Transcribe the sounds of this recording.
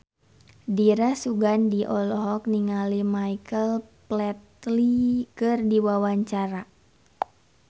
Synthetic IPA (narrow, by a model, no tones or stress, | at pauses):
diɾasuɡandiʔɔlɔɦɔk̚niŋalimaikəlplɛt̪likɨrdiwawaɲt͡ʃaɾa